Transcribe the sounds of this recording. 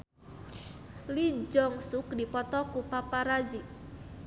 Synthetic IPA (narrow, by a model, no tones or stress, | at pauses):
lid͡ʒɔŋsʊkdipɔt̪ɔkupapaɾazi